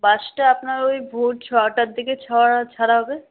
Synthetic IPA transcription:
baʃʈaapnaɾojbʱuʈ̚t͡ɕʰɔaʈaɾd̪iket͡ɕʰɔaat͡ʃʰaɽaɦɔbe

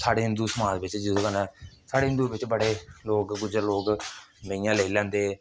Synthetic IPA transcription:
saːɽeːɦɪnd̪uːsəmãːt̪ʋɪt͡ʃd͡ʒɪd̪õːkənɛ̃ːsaːɽeːɦɪ̃nd̪uːʋɪt͡ʃbəɽeːloːkɡʊd͡ʒəɾloːkməijãːləiːlɛ̃ːnd̪eː

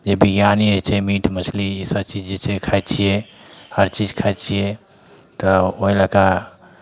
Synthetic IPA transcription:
d͡ʒebiɡjaniət͡ʃʰɛmiʈʰmət͡ʃʰliisəbt͡ʃid͡ʒd͡ʒet͡ʃʰɛkʰajt͡ʃʰijɛhəɾt͡ʃid͡ʒkʰajt͡ʃʰijɛ | t̪ɔoilaka

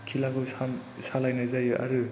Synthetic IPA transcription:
kʰilaɡɯwsasalajnazajɯʔaɾɯ

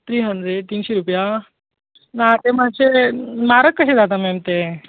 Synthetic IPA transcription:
t̪ɾiːɦənd͡zet̪iːnɕeɾupja | nat̪emaɕemaɾəkːəɕed͡zat̪amemt̪e

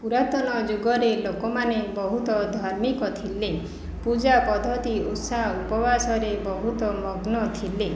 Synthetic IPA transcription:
puɾat̪ɔnɔd͡ʒuɡɔɾelokɔmanebɔɦut̪ɔd̪ʱɔɾmikɔt̪ʰile | pud͡ʒapɔd̪ʱɔt̪iut̪saupɔbasɔɾebɔɦut̪ɔmɔɡnɔt̪ʰile

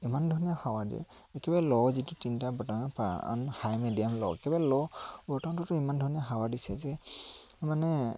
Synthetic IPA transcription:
imandʱɔnijahawadḭɛ̰ | ekɛbajlɔzitutintabɔtapa̰nhajmɛdijamlɔ̰ekɛbalɔbɔtaw̃tɔtɔimandʱɔnijaɦawadisɛzɛ | manɛ

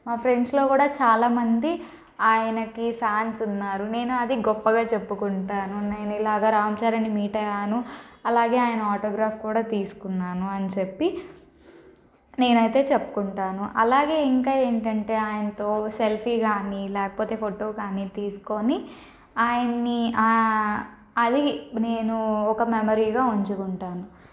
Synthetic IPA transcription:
maːpʰɾe̞ɳɖslo̞ːkuːɽaːt͡ʃaːlaːmɐnd̪i | aːjɐnɐkipʰaːnsunːaːɾune̞ːnuɐd̪iɡɔpːɐɡaːt͡ʃe̞pːukuɳʈaːnuneːnuilaːɡaːɾaːmt͡ʃaːɾɐnimiːʈɐjaːnuɐlaːɡe̞ːaːjɐnɐaːʈoːɡɾaːpkuːɽaːt̪iːsu̥kunːaːnuɐnt͡ʃepːi | ne̞ːnɐjt̪e̞ːt͡ʃepːu̥kuɳʈaːnuʔɐ̰laːɡe̞ːiŋkaːe̞ːɳʈɐɳʈe̞ːaːjɐnɐt̪o̞ːselpʰiːɡaːnilɛːkɐ̥poːt̪e̞ːpʰoʈo̞ːkaːnit̪iːsu̥ko̞ni | aːjɐnːia | ɐd̪ine̞ːnuɔkɐmemoɾiːɡaːuɲt͡ʃukuɳʈaːnu

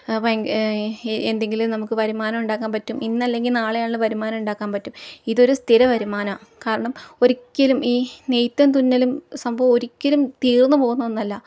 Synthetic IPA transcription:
p | end̪e̞ŋɡilumnɐmukːɨpɐɾumaːnɐmuɳɖaːkːaːnpɐtːuminːɐlːe̞ŋɡilnaːɭejaːɳɨpɐɾumaːnɐmuɳɖaːkːaːnpɐtːumiðo̞ɾust̪ʰiɾɐʋɐɾumaːnɐkaːɾɐɳɐmo̞ɾikʲːɐlumiːnejt̪ːɐnt̪̬unːɐlumsɐmbʱɐʋmo̞ɾikʲːɐlumt̪iːrnːɨpo̞ːɣunːɐðonːɐlːɐ

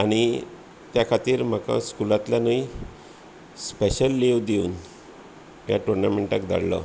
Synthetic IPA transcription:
aɽ̃i | t̪jakʰat̪iːɾm̤aka̰skulat̪lanəi | speɕəlːeʋd̪euːn | ja̰ʈoɾnameɳʈakd̪a̰ɽlə̰

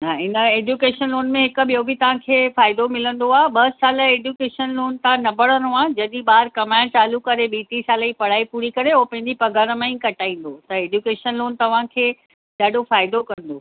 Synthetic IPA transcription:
aɪnəeːd͡ʑjukeːʃənloːnmẽɦɪkə̆ɓijobʱɪt̪ɐʋ̤ãkʰeːfaːɪd̪omɪlə̃nd̪oaːɦeɓɐsaːləeːɖjuːkeːʃənloːnt̪ãnɐbʱɐɽə̃noaːɦd͡ʑɐɗiɓaːɾkɐmaːɪ̃t͡ɕaːlukɐɾeɓiːʈisaːləipɐɽ̤aːipuːɾikɐɾeopɐ̃ɦɪ̃ɲd͡ʑipɐɡʱəɾəmãĩkɐʈaːĩːn̆d̪ot̪ɐeːd͡ʑjukeːʃənloːnt̪ɐʋ̤ãkʰeː | ɗaːɗofaːɪd̪okɐ̃n̆d̪oː

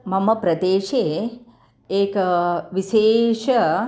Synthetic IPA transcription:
mɐmɐpɾɐd̪eːʃe | ekʋiʃeːʃ

